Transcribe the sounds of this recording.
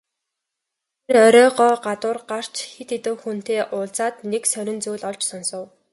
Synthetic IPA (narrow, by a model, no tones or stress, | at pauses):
t̪ʰerœɾʲɔːɢɔːɢat̪ʊːrɢar̥t͡ɕxet̪et̪ɘ̆wxun̥t̪eːʔʊːɮt͡saːt̪neksœɾʲɪ̆nt͡sujɮɔɮt͡ɕsɔnsɞ̆w